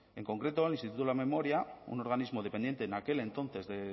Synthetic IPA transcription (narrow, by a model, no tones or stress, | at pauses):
e̞ŋko̞ŋkɾe̞t̪o̞elinst̪it̪ut̪olame̞mo̞ɾjaṵno̞ɾɣanizmo̞ðe̞pend̪jent̪e̞ːnake̞le̞nt̪o̞nθe̞zðe